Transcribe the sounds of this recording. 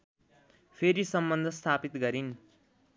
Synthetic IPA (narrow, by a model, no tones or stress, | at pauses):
pʰeɾisʌmbʌnd̪ʱʌst̪ʰapit̪ɡʌɾin